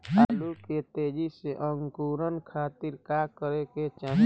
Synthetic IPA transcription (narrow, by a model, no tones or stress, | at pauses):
aːluket̪eːd͡ʒiseʔə̃ŋɡkuːɾənkʰaːt̪iɾkakəɾeket͡ʃã